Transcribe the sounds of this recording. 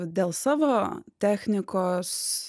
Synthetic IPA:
d̪ʲeːlˠsɑːʋoːt̪ʲæːxʲnʲɪkoːs

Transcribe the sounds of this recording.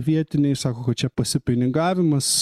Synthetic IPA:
ʋʲiɛt̪ʲɪnʲɛɪsɑːkoːkɐt̪t͡ʃʲɛpɐsʲɪpʲɪnʲɪɡɑːʋʲɪmɐs

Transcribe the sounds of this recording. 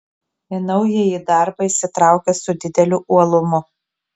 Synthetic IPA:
ɪnɒʊjijid̪ɑˑɾbɐisʲɪt̪ɾɑˑʊkʲɛsʊd̪ʲɪd̪ʲɛlʲʊʔuɔlˠʊmʊ

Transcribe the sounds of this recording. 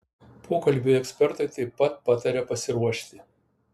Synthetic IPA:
pʰoːkɐlʲˑbʲʊɛksʲpʲɛɾt̪ɐɪt̪ɐɪpːɐt̪̚pɑt̪ɐɾʲɛpɐsʲɪɾuɔʃʲt̪ʲɪ

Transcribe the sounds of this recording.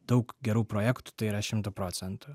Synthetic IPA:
d̪ɐʊkɡʲɛɾuːpɾoːjæːkt̪u̥t̪ɐɪiːɾɐʃʲɪmt̪uːpɾoːt̪sʲɛnt̪ʊ

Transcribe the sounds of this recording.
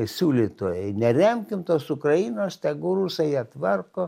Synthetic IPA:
sʲuːlʲiːt̪oːjɛɪnʲɛrʲɛmʲkʲɪmt̪oːsʊkɾɐinoːst̪ʲɛɡʊrusɐjit̪ʋɐrkoː

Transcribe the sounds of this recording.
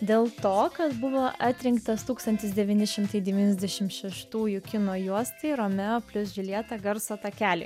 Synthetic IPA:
d̪ʲeːlˠt̪oːkɐt̪bʊʋoːʔɑːt̪ʲɾʲɪŋkt̪ɐst̪uːkst̪ɐnt̪ʲɪsd̪ʲɛʋʲiːnʲɪʃʲɪmt̪ɐɪd̪ʲɛʋʲiːnʲɛzʲd̪ʲɛʃʲɪmtʃʲɛʃt̪uːjʊkʲɪnoːjuɔsʲt̪ʲeɪɾoːmʲɛoːpʲlʲʊsʒʲɪlʲiɛt̪ɑɡɐɾsot̪ɐkʲæːlʲɪɪ

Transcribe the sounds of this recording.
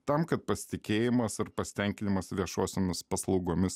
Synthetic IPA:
t̪ɐmkɐt̪̚pɐsʲɪ̥t̪ʲɪkʲeːjɪmɐsɐrpɐsʲɪ̥t̪ʲɛŋʲkʲɪnʲɪmɐsʋʲiɛʃoːsʲoːmʲɪspɐslˠɒʊɡoːmʲɪs

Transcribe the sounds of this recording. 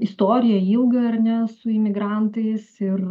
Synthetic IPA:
ɪst̪oːɾʲɪjɛiːlˠɡɐɐɾʲnʲɛsʊɪmʲɪɡɾɑnt̪ɐɪsɪr

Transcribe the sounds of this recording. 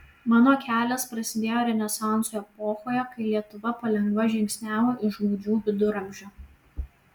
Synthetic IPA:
mɑːnoːkʲæːlʲɛspɾɐsʲɪd̪ʲeːjoːɾʲɛnʲɛsɑˑnsuɛpoːxoːjɛkɐɪlʲiɛt̪ʊʋɐpɐlʲɛŋɡʋɐʒʲɪŋʲkʲsʲnʲæːʋoːʔɪoːd͡ʒʲuːʋʲɪd̪ʊɾɐmʲʒʲoː

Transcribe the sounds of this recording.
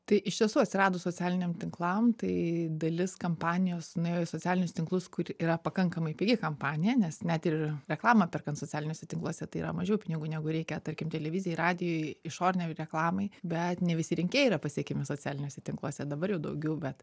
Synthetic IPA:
t̪ɐɪʔɪʃt̪ʲiɛsuːɐt̪ʲsʲɪɾɑːd̪oːsoːt͡sʲæːlʲɪnʲɛmt̪ʲɪŋklˠɐmt̪ɐɪd̪ɐlʲɪskɐmpɑːnʲɪjoːsnʊjejosoːt͡sʲæːlʲɪnʲʊst̪ʲɪŋklˠʊskʊrʲiːɾɐpɐkɐŋkɐmɐɪpʲeːɡʲɪkɐmpɑːnʲɪjɛnʲɛsnʲæt̪ɪrɾʲɛklˠɑːmɐpʲɛrkɐnt̪soːt͡sʲæːlʲɪnʲoːsʲɛt̪ʲɪŋklˠuɔsʲɛt̪ɐɪḭːɾɐ̰mɐʒʲɛʊpʲɪnʲɪɡuːnʲæːɡʊɾʲɛɪkʲɛt̪ɐɾʲkʲɪmt̪ʲɛlʲɛʋʲɪzʲɪjɛɪrɑːd̪ʲɪjoːjɪʃoːɾʲnʲɛɾʲɛklˠɑːmɐɪbʲɛt̪nʲɛʋʲɪsʲɪɾʲɪŋʲkʲeːɛiːɾɐpɐsʲiɛkʲɛmʲɪsoːt͡sʲæːlʲɪnʲoːsʲɛt̪ʲɪŋklˠuɔsʲɛd̪ɐbɐɾjɛʊd̪ɐ̰ʊɡʲɛʊbʲɛt̪

